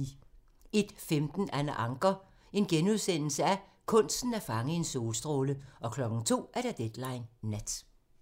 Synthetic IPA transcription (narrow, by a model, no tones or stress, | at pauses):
e̝d̥femd̥n̩ænʔɑ̈ŋɡ̥ɐ | e̝nɡ̥enuð̞ˠsen̰l̩səæ | kʰɔ̽n̰sd̥n̩æɐfɑ̈ŋəe̝nso̝ːlsd̥ʁoːləɒ̽kʰlɒ̽ɡ̥n̩t͡sʰo̝̰ːʔæɐɾ̥æd̥ed̥lɑ̈ɪnːæd̥